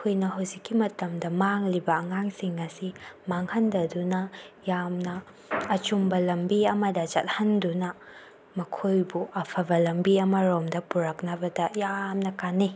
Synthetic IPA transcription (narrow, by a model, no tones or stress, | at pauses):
kʰojnɐɦɐwzikːimɐtɐmdɐmaŋlibɐːŋaŋsiŋɐsimaŋhɐndɐdunɐjamnɐː | t͡ʃumbɐlɐmbiɐmɐdɐt͡ʃɐt̚hɐndunɐ | mɐkʰojbuʔɐpʰɐbɐlɐmbiɐmɐɾomdɐpuɾɐk̚nɐbɐdɐjamnɐkanːi